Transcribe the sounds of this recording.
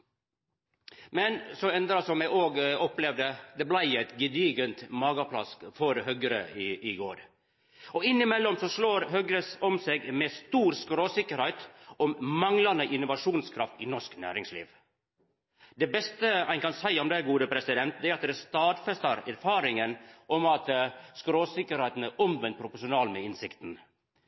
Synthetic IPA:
mɛnsɔmɛnd̪ɾɑsɔmjæɪʔoːɡɔplɛʋd̪əd̪ɛblæɪæɪt̪ɡɪd̪iːɡənt̪mɑːɡɑpʰlɑ̰sfɔɾhœɡəɾə̰ɪʔɪɡoːɾ | ɔɪnːɪmɛlːɔmsɔʂloːɾɦœɡɾəsɔmseːɡmɛst̪uːɾskɾoːsɪkːəɾhæɪt̪ɔmmɑŋlɑnəʔɪnːʊʋɑʂuːnskʰɾɑft̪ɪnɔʂknæ̰ːɾɪŋslḭːʋ | d̪ɛbɛst̪əæɪnkɑnsæɪɔmd̪ɛɡuːd̪əpʰɾɛsɪd̪ɛnt̪̚d̪ɛæɾɑt̪d̪ɛst̪ɑːd̪fɛst̪ɑɾæɾfɑːɾɪŋənʔɔmɑt̪skɾoːsɪkːəɾhæɪt̪ənəʔɔmʋɛnt̪̚pʰɾʊpʊʂʊnɑːlmɛɪnsɪkt̪n̩

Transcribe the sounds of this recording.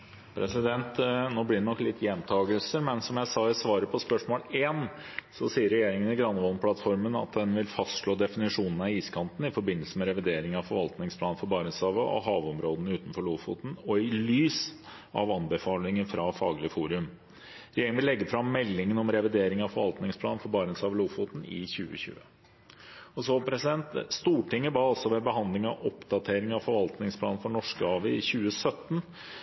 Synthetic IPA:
pʰɾɛsɪd̪ɛnt̪noːblɪɖɛnɔkːlɪt̪ʰːjɛnt̪ʰɑːɡəlsəɾmɛnsɔmjæɪsɑːɪsʋɑːɾəpʰɔspœʂmoːleːn | sɔsiːəɾːɛjeːɾɪŋənɪɡɾɑnʋɔlpʰlɑt̪fɔɾmənɑ̰t̪̚d̪ɛnʋɪlfɑst̪ʂɭoːd̪ɛfɪnɪʂuːnən̩ɑiːskʰɑnt̪n̩ɪfɔɾbɪnːəlsəmɛɾɛʋɪd̪eːɾɪŋɑʋfɔɾʋɑlt̪nɪŋspʰlɑːnfɔɾbɑːɾɪŋsɑːʋəʔɔ̰ɦɑːʋɔmɾoːd̪nəʉːt̪n̩fɔɭuːfṵːt̪n̩ɔɪlyːs | ɑ̰ʋɑnbəfɑːlɪŋəɾfɾɑfɑːɡlɪəfuːɾʉm | ɾɛjeːɾɪŋʋɪlːɛɡːəfɾɑmːɛlːɪŋənɔmɾɛʋɪd̪eːɾɪŋɑʋfɔɾʋɑlt̪nɪŋsplɑːnfɔɾbɑːɾənsɑːʋəluːfuːt̪n̩ɪ̰çʉːə̰çʉ̰ːə̰ | ɔsɔpʰɾɛsɪd̪ɛnt̪st̪uːʈɪŋːəbɑːɑlsɔʋɛbəɦɑnd̪lɪŋɑʋɔpd̪ɑt̪ʰeːɾɪŋɑʋfɔɾʋɑlt̪nɪŋspʰlɑːnn̩fɔɳɔʂkəɑːʋəɪçʉːəsœt̪ːn

